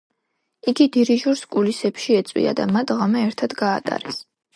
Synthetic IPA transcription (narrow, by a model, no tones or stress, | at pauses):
iɡid̪iɾiʒuɾskʼulisɛpʃiɛt̪sʼwḭa̰d̪a̰mat̪ʰʁamɛːɾt̪ʰad̪ɡaːt̪ʼa̰ɾɛs